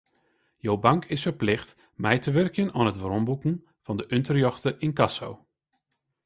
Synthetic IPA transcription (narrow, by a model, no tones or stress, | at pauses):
jowbɑŋkʰɪsfəɹplɪχt | mɛjtəʋœrkənaːnɦətʋrɔmbukən | v̥ɑndəʔʏntəɹjɔχtəʔɪnkɑso̰w